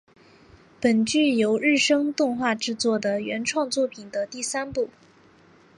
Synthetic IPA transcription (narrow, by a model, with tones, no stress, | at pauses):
pə˨˩nt͡ɕy˥˩jo˧˥ʊɻɻ̩˥˩ʂɤ˥ŋt̪ʊ˥˧ŋxwa˥˧ʈ͡ʂɻ̩˥˧t͡swɔ˥˩d̪ə˩ɥɛ˧˥nʈ͡ʂʰwɑ˥˧ŋt͡swɔ˥˩pʰi˨˩nd̪ə˦t̪i˥˩sa˥npu˥˩